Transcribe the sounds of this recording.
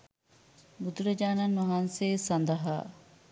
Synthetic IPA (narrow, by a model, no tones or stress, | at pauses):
bud̪uɾɐd͡ʒaːnanmɐɦanseːsɐnd̪ɐɦa̰ː